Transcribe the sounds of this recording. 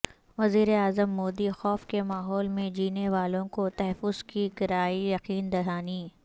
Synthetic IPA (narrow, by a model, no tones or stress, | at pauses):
ʋɐziːɾeaːzəmːoːd̪ixɔːfkemaːɦɔːlmẽd͡ʒiːneʋaːlõkot̪ɐɦɛfʊz̥kiɡɪɾaːijɐqiːnd̪ɐɽaːniː